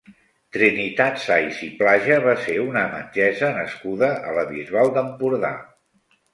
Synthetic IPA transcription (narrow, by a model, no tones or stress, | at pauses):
t̪ɾinit̪at̪sajsiplaʒəβaseunəmə̰d͡ʒɛzənəskuðəələβizalˠd̪əmpuɾða̰